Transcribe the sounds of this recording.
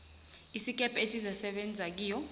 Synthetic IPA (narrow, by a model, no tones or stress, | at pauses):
isik̬ʼɛpʼesizasɛɓend͡zʱak̬iːjɔ